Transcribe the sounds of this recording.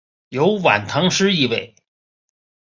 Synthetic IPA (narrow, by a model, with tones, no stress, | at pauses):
jo˧˥ʊwa̰˨˩nt̪ʰɑ˧˥ŋʂɻ̩˥i˥˧we˥˩ɪ